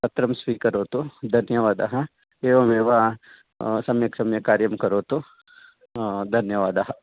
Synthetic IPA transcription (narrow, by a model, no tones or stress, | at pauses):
pɐt̪ɾɐmsʋikɐɾoːt̪ud̪ʱɐnjɐʋaːd̪aɦɐ | eːʋɐmeːʋa | sɐmjɐksɐmjɐkaːɾjɐmkɐɾoːt̪o | d̪ʱɐnjɐʋaːd̪aɦɐ